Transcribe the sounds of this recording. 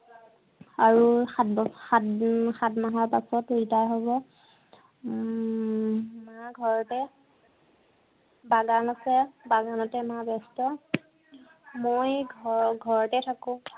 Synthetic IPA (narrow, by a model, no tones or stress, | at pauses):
aɹuxatbɔxaxatmaɦaɹpasɔteɹitajɦobɔ | maɡʱɔɹɔtɛ | baɡanasɛbaɡanɔtɛmabɛstɔ | mojɡʱɡʱɔɹɔtɛtʰakʊ̃